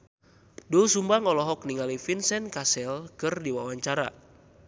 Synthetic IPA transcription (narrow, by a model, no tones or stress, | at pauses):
dulsumbaŋɔlɔɦɔk̚niŋalifinsɛnkasɛlkɨrdiwawaɲt͡ʃaɾa̰